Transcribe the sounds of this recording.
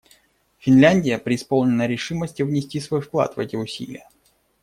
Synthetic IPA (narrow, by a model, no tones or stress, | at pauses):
fʲɪnlʲænʲdʲɪjəpɾʲɪːspolˠnʲɪnəɾʲɪʂɨməsʲtʲjʊvnʲɪsʲtʲisvo̞jfklˠa̰t̪vɛ̰tʲɪʊsʲḭlʲɪ̰jə